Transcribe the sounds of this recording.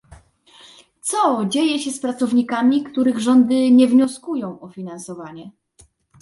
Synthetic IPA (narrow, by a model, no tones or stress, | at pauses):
t̪sɔd͡ʑejɛɕɛspɾat̪sɔvɲikamʲikt̪uɾɘɣʐɔnd̪ɘɲɛvɲɔskujɔ̃w̃ɔfʲinansɔvaɲɛ